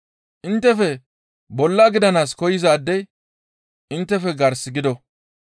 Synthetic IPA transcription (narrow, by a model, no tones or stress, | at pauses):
ʔɪnt̪ːɛfɛ | bɔlːɐɡɪd̪ɐnaːskɔjɪzaːd̪ːɛj | ʔɪnt̪ːɛfɛɡɐɾsɪɡɪd̪ɔ